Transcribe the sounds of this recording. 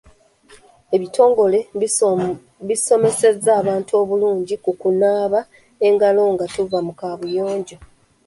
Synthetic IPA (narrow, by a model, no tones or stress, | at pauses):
e̞βitʰo̞ːŋɡo̞le̞ | βiso̞me̞se̞zːaːβaːntuo̞ːβuluːɲɟikukunaːβa | e̞ŋɡalo̞ŋɡatuvamukaːβujo̞ːɲɟo̞